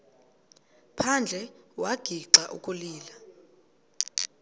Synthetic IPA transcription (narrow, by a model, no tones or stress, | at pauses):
pʰand͡ɮʱɛwaɡ̥ʱiǀaʔṵkʼuliːla